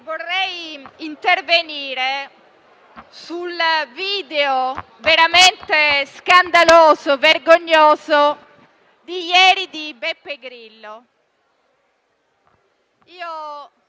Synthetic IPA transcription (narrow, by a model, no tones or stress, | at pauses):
vorːɛjint̪erveniːɾe | sulviːd̪eo | veɾament̪eskand̪aloːzoverɡoɲːoːzo | d̪ijɛːɾid̪ibepːeɡɾilːo | iːo